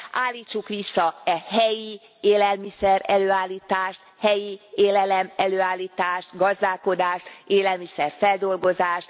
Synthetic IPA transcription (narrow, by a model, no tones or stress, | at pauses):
ʔaːlːiːt͡ʃːukʋisːɒɛɦɛji | eːlɛlmisɛɾɛløːaːlːiːt̪aːʃt̪hɛjieːlɛlɛmɛløːaːlːiːt̪aːʃt̪ɡɒzd̪aːlko̞d̪aːʃt̪eːlɛlmisɛrfɛld̪o̞lɡo̞zaːʃt̪